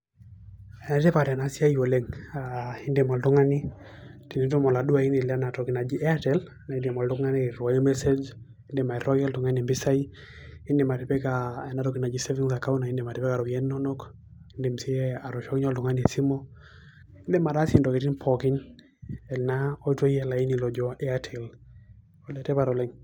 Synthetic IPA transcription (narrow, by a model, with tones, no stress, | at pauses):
ɛ˨na˨tɛ˦pa˨ɾɛ˨a˨na˨si˦a˦jo˨le˦ŋa˨i˦nde˨mɔ˨ldʊ˦ŋa˦ni˦ | ti˨ni˨tu˦mɔ˨la˨du˦a˨i˦ni˨la˦na˨tɔ˨ki˨na˨d͡ʒi˦ʔɛ˦a˦tɛ˦l | na˨i˦nde˨mɔ˨ldʊ˦ŋa˦ni˦ɾwa˨jmɛ˦se˦d͡ʒ | i˦nde˨ma˨ɛ˨ɾɔ˦ɡɛ˦ltʊ˨ŋa˦ni˨mbi˦sa˦i | i˦nde˨ma˨ti˨pɛ˦kaɛ˦na˨tɔ˦ki˨na˨d͡ʒise˦vi˦ŋsa˨ka˦u˦na˨i˦nde˨ma˨ti˨pɛ˦ka˨ɾɔ˨ɛ˦nːɔ˦nɔ˦k | i˦ndi˨msi˦ɛa˨ɾɔ˨ʃɔ˦kɲɔ˦ldʊ˨ŋa˦ne˨si˦mɔ | ɪ˦nde˦ma˨da˦se˨ndɔ˨ki˨ti˦npʰɔki˦n | ɛ˨lnaɔ˦i˦to˦jɛ˨la˨i˦nilɔ˨d͡ʒɔɛ˦atʰɛl | ɔ˨lɛ˨tɛ˦pa˨ɾɔ˨lɛ˦ŋ